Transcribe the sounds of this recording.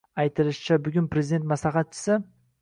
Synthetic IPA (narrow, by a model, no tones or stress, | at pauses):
ajt̪ʰɪlɪʃt͡ʃʰabʊɡʲʊnpɾezid̪ent̪maslaχɑt̪̚t͡ʃʰɪ̥sɪ